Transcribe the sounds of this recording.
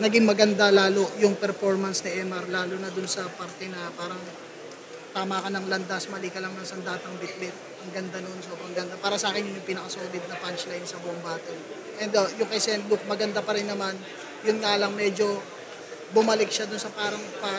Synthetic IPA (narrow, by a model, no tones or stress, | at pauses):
nɐɡɪŋmɐɡɐnd̪alaːlo̞jʊŋpɛɾfo̞ɾmɐnsnɪʔɛːmɐɾlaːlonɐd̪ʊnsɐpaɾt̪ɛnɐpaːɾɐŋ | t̪aːmɐkɐnɐŋlɐnd̪asmɐlikɐlɐŋnɐŋsɐnd̪aːt̪ɐŋbɪt̪̚lɪt̪̚ʔɐŋɡɐnd̪anoonsobɾɐŋɡɐnd̪apaːɾɐsɐʔaːkɪnjʊnjʊŋpɪnɐkɐsoːlɪd̪̚nɐpant͡ʃlajnsɐbʊʔoŋbaːt̪ɐ | ʔɛnd̪ojʊŋkɐsɛnluk̚mɐɡɐnd̪apɐɾɪnːɐman | jʊnŋaːlɐŋmɛd͡ʒo̞ | bʊmɐlɪk̚ʃad̪ʊnsɐpaːɾɐŋpɐ